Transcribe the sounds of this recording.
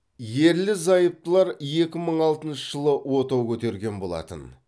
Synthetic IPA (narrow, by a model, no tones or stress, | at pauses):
je̞ɾlɪzɑjəp̚t̪əlˠɑɾje̞kʲɪməɴɑlˠt̪ənʃəʒ̥əlˠəwo̞t̪ɑwkʲʰɵt̪e̞ɾɡʲe̞nbo̞̰lˠɑ̰t̪ə̰n